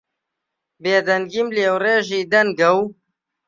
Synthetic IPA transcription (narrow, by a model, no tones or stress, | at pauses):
beːd̪ɐnɡimleːwreːʒiːd̪ɐnɡɐw